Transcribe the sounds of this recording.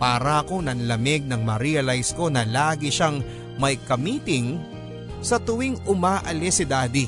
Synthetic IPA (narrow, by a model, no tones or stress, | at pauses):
paːɾɐɐko̞nɐnlɐmɪɡ̚nɐŋmɐɾiɐlajsko̞nɐlaːɡɪʃaŋ | mɐjkɐmiːt̪ɪŋ | sɐt̪ʊwɪŋʊmaːʔɐlɛsɪd̪aːd̪ɪ